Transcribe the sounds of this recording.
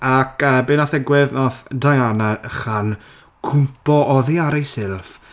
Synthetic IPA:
akʰəːbenaθɛɡwɪðnɔθdajanaχan | kʰʊmpɔʔɔðiaɾejsɪlˠf

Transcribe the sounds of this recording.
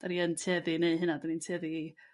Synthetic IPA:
d̥aniəntʰeːðɪneɨɦɨnadanintʰɛːðii

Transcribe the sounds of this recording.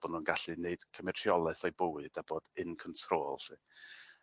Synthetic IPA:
b̥ɔnunɡaɬɨneɨd̥kʰəmɛtʰjɔlˠɛθɔjbʊwɨd̥aboːd̥ɨnkʰɔntʰroːlˠti

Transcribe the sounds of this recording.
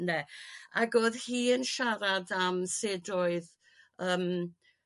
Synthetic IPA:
neaɡoːðhiːənʃaɾadamsedoɨð | əːm

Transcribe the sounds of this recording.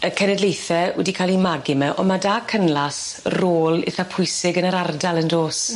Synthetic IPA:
əkʰənɛdlejθɛwɛ̰dikʰalˠimaɡɪmɛʔɔ̰madaːkʰənlˠas | roːlˠɪ̰θapʰʊjsɪɡənəɾardalˠəndoːs

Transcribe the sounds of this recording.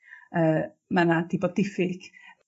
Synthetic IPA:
əː | manadibɔdɪfɪɡ̥

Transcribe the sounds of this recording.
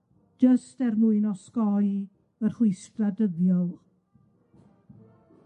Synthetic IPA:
d͡ʒəstɛrmuɨnɔskɔj | ərhʊɨskradəðjɔlˠ

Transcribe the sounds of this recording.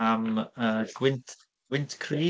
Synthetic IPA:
aməːɡ̥wɪntʰ | ɡ̥wɪntʰkʰriː

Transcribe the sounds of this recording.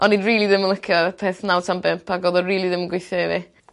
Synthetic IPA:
ɔnːidriːlˠiðɪmənlˠəkʰjɔpʰɛːθnawtʰambɪmpʰaɡoːðɔriːlˠiðɪmənɡwɪjθjɔɪvi

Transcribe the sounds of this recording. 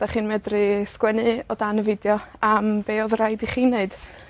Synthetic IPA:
d̥aχɨːnmɛdrɨskwɛnɨɔdanəvɪdjɔambeːɔðraɨdiχiːnːeɨd̥

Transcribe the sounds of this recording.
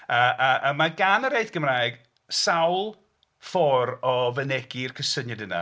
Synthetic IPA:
əːʔaʔəmaɡanəɾeɨθɡ̥əmraːjɡ̥ | sawlˠ | fɔɾɔvənɛɡ̥ɪrkʰəsənjɛdəna̰

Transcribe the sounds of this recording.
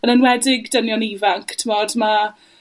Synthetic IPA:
ənənwɛdɪɡdənjɔniːvaŋkʰtʰmoːdma

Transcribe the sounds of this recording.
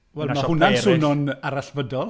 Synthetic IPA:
wɛlˠmahʊnansʊnɔnaɾaɬvədɔlˠ

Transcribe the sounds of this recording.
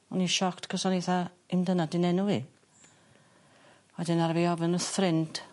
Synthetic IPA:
ɔniʃɔktkʰəsɔniθa | ɪmdənadɪnɛnuvḭ | wɛdɪnaɾviɔvənəθrɪnd̥ʰ

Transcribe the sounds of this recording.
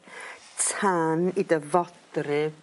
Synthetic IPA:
tʰaːnidəvɔdrɪ

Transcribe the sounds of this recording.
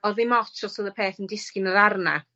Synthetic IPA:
ɔðɪmɔtʰɔsəðəpʰeːθəndɪskɪnəðarna̰

